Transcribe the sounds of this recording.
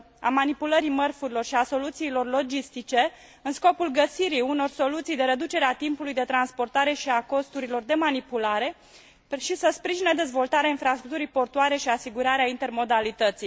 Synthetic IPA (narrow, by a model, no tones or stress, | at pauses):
a̰manipuləɾimərfuɾilo̞rʃiaso̞lut̪siːlo̞rlo̞d͡ʒist̪it͡ʃe̞ | ɨnsko̞pulɡəsiɾiuno̞rso̞lut̪sijd̪e̞ɾe̞d̪ut͡ʃe̞ɾeat̪impulujd̪e̞t̪ɾanspo̞rt̪aɾe̞ʃiako̞st̪uɾilo̞rd̪e̞manipulaɾe̞ | ʃisəspɾiʒined̪e̞zvo̞lt̪aɾeainfɾast̪ɾuk̚t̪uɾijpo̞rt̪uaɾe̞ʃiasiɡuɾaɾeaint̪e̞rmo̞d̪alit̪ət̪sij